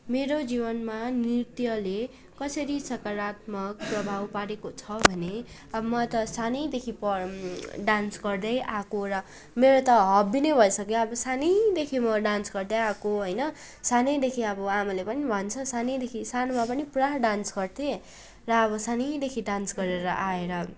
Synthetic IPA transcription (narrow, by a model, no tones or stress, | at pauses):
meɾod͡zibʌnmanirt̪jʌle | kʌsʌɾisʌkaɾat̪mʌk̚prʌbʱawpaɾekot͡sʰʌbʱʌne | ʌbʌmʌt̪ʌsanʌjd̪ekʰipʌɖansɡʌrd̪ʌjʔakoɾʌ | meɾot̪ʌɦʌbːinʌbʱʌjsʌkĩʌbʌsanʌjd̪ekʰimʌɖansɡʌrd̪ʌjakoɦʌjnʌ | sanʌjd̪ekʰiʌbʌamalepʌnibʱʌnt͡sʰʌsanʌjd̪ekʰisanomapʌnipuɾaɦɖansɡʌrt̪ʰe | rʌːβʌsanʌjd̪ekʰiɖansɡʌɾeɾʌʔaeɾʌ